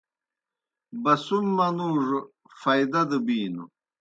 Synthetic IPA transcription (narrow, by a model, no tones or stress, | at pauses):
bɐsumːɐnuːʐ | fɐjd̪ɐd̪ɨbiːnṵ